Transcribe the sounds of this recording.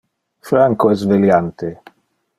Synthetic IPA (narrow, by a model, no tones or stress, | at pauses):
fɾaŋkoɛs̬veljant̪e